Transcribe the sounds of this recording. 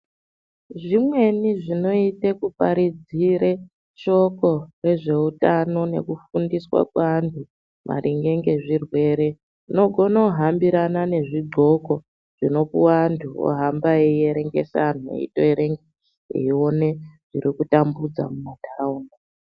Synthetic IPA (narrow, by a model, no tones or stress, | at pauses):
ʐimwe̞niʐino̞itekupaɾid͡ziɾe | t͡ʃo̞ko̞re̞ʐe̞utano̞ne̞̰kufundiswa̰kwaːntʰu | mʔa̰ɾʔiŋɡe̞ŋɡe̞ʐirwe̞ːɾe̞ | ʐino̞ɡʱo̞naɦambiɾanane̞ʐiɡʱo̞ko̞ | ʐ̥ino̞puwantʰuo̰ɦambaeieɾe̞ŋɡe̞̰san̤uḛḭtoeɾe̞ŋɡe | ḛio̞ne̞ʐ̥iɾikutambud͡za̰mumatarauːŋɡa